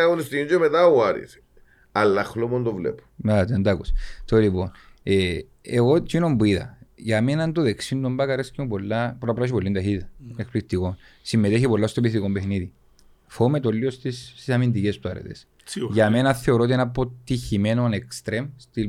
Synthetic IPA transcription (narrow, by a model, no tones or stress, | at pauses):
ɐunist̪iind͡ʒomet̪auɐɾḭs | ɐlːɐxlomond̪ovlḛpu̥mt̪end̪akust̪olipo̞ne | eɣot͡ʃinombuiðɐ̰ʝɐme̞nɐnd̪oðeksind̪ombakɐɾeskomupo̞lːapɾɐpɾɐʃ̬ipolːind̪ɐçiðɐekplikt̪iɣo̞nsimːet̪eçipolːast̪opist̪ikombexniði | fomet̪olːiost̪ist̪isɐmind̪icest̪uɐ̰ɾḛt̪e̞̰s | ʝɐmenɐθe̞oɾot̪ienɐpot̪içimenonekst̪ɾemst̪il